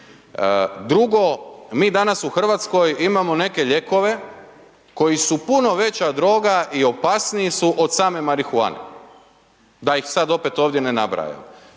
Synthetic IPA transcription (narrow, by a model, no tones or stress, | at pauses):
d̪ɾuɡo̞miːd̪anasuxr̩ʋat̪sko̞jimamo̞ne̞ke̞ʎe̞ko̞ʋe̞ | ko̞jisupuno̞ʋe̞t͡ɕad̪ɾo̞ːɡaʔio̞pasnijisuʔo̞d̪saːme̞maɾixua̰nḛ | d̪ajixsad̪o̞pe̞t̪oːʋd̪je̞nenabɾa̰ja̰m